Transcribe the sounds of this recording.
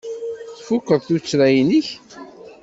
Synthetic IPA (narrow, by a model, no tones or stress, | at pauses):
θfʊkːəðˤθut͡sːɾæjniç